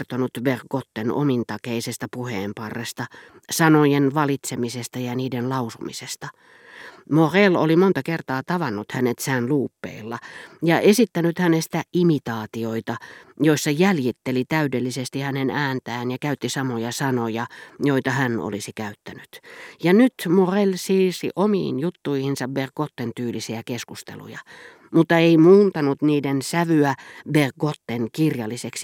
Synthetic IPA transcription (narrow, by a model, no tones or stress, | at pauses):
rt̪onut̪ʋerkot̪ːeno̰mint̪ɑkeisest̪ɑpuheːmpɑrːest̪ɑ | sɑnojenʋɑlit̪semisest̪ɑjɑniːdenlɑusumḭsest̪ɑ | moʁelo̰limont̪ɑkert̪ɑːt̪ɑʋɑnːut̪hænet̪sæːnluːpːḛilːɑjɑʔesit̪ːænyt̪hænest̪æʔimit̪ɑːt̪ioit̪ɑjoisːɑjæljit̪ːelit̪æydelːisest̪ihænenæːnt̪æːnjɑkæyt̪ːisɑmojɑsɑnojɑjoit̪ɑhæno̰lisikæyt̪ːænyt̪jɑnyt̪morelsiːsḭʔomḭːnjut̪ːuihinsɑbberɡ̥ot̪ːent̪yːlisiækeskust̪ḛlṵjɑ̰ | mut̪ːɑeimuːnt̪ɑnut̪niːdensæʋyæberɡot̪ːeŋkirjɑlːiseksi